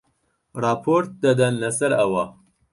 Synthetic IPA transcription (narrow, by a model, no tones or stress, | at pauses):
rɑːpʰoɾt̪̚d̪ɐd̪ɐnlɐsɐɾɐwɐ